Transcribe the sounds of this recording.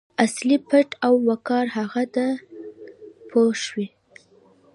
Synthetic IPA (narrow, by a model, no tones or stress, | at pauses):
aslipəʈʰawːakɑɾɦaɣad̪ə | pʰoʃwi